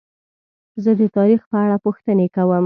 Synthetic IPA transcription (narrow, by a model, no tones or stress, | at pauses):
zəd̪ət̪ɑɾixpəaɽapuxt̪ənekawəm